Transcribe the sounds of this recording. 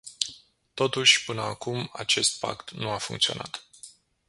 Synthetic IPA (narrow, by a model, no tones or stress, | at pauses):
t̪o̞t̪uʃʲpɨnəakuma̰t͡ʃe̞st̪̚pa̰kt̪nuafṵŋkt̪sio̞̰na̰t̪